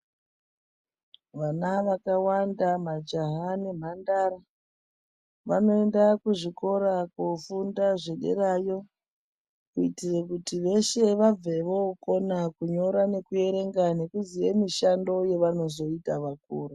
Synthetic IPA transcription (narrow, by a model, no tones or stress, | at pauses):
ʋanaʋakawandamad͡ʒaɦanem̤andaːɾa | ʋano̞endakuʐiko̞ɾakufundaʐeɗe̞̰ɾajo̞ | kuitirekutiʋe̞ʃe̞ʋab͡ve̞ʋo̞ko̞nakuɲo̞ɾane̞kue̞ɾe̞ŋɡane̞kuzijemiʃando̞je̞ʋano̞zo̞itaʋakuːra